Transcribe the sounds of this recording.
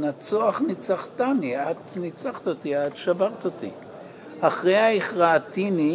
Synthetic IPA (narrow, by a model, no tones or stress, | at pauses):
nat͡soaχnit͡saχt̪aniat̪nit͡saχt̪ot̪iat̪ʃavaʁt̪ot̪ḭ | aχʁejaiχʁaatini